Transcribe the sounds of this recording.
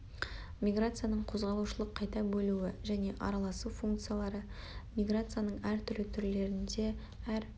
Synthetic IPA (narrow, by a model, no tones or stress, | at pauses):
mʲijɡrat̪sɨjanəɴqʰo̞zʁɑlˠuʃəlˠəqʰːɑjt̪ɑbɵluɪʒæne̞ʔɑ̰ɾɑlˠɑsufuŋkt̪sɨjalˠɑɾə | mʲijɡɾat̪sɨjanəɴæɾt̪ʰʏɾlɪt̪ʰʏɾle̞ɾɪnd̪e̞ | æɾ